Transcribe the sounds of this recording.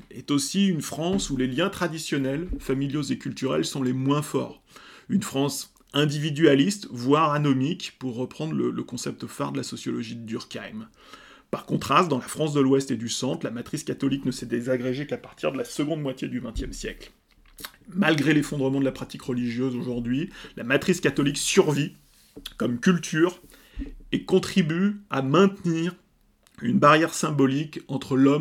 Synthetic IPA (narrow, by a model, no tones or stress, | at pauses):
ɛt̪osiynfχɑ̃suleljɛ̃t̪χad̪isjɔnɛlfamiljozekʲylt̪yʁɛ̰lsɔ̃lemwɛ̃fɔ̰ʁ | ynfχɑ̃s | ɛ̃d̪ivid̪yalist̪vwaʁanɔmikpuʁːəpχɑ̃d̪ʁlələkɔ̃sɛp̚t̪fa̰ʁd̪əlasɔsjɔlɔʒid̪yʁka̰jm | paʁkɔ̃t̪χast̪̚d̪ɑ̃lafχɑ̃sd̪əlwɛst̪ed̪ysɑ̃t̪χlamat̪χiskat̪ɔliknəsɛd̪ezaɡʁeʒekapaʁt̪ʰiʁd̪əlasəɡɔ̃d̪mwat̪jed̪yvɛ̃t̪jɛmsjɛkl | malɡʁelefɔ̃d̪ʁəmɑ̃d̪əlapχat̪ikʁəliʒjøzoʒuʁd̪ɥilʔamat̪χiskat̪ɔliksyʁvi | kɔmkʲylt̪ʰyʁ | ekɔ̃t̪χibyamɛ̃t̪niʁ | ynbaʁjɛʁsɛ̃bɔlikɑ̃t̪χəlɔm